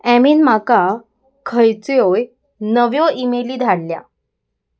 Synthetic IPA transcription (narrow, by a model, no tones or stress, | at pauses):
æmiːnmaka | kʰəjt͡sjoj | nəʋjɔʔimeliːd̪ʱaɽlja̰